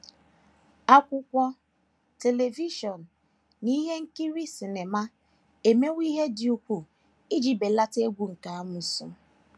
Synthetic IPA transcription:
a˦kʷʊ˦kʷɔ˦ | te˨le˨vi˦ʃɔ˨n̩ː˨ | i˦ɦe˦ŋ̩˦ki˦ɾi˦si˨ne˨ma˦ | e˨me˦wʷi˦ɦe˦di˨u˦pu˨ | ɪ˦d͡ʒi˨be˨la˦te˦ɡʷu˨ŋ̩˨ka˨a˦mʊ˨sʊ̰˦

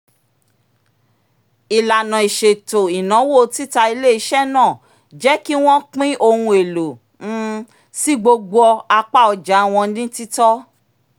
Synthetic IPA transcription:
i˨la˨nã˨i˨ʃe˨to˨i˨nã˨˦wo˦˨˦ti˦ta˧i˧le˦i˧ʃɛ˦nãː˦˨ | d͡ʒɛ˨˦ki˦w̃ɔ̃˦k͡pĩ˦ʔo˧hũ˧e˨lõ˨˦ | si˦ɡ͡bo˧ɡ͡bo˧ɔ˧a˧k͡pa˦˨ɔ˧d͡ʒa˨˦w̃ɔ̃˧˦nĩ˦ti˦tɔ˦

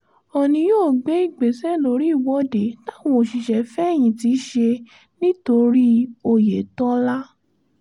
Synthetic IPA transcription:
ɔ˨nĩ˧joː˦˨ɡ͡be˨˦i˦˨ɡ͡be˨sɛ˦lo˧˦ɾi˦i˦˨wɔ˨˦de˨˦ta˦wɔ̃˦˨ʃi˨ʃɛ˨fɛ˦˨j̃ĩ˨ti˨˧˦ʃe˧ | nĩ˦to˧ɾi˦o˧je˨tɔ̃˦la˦

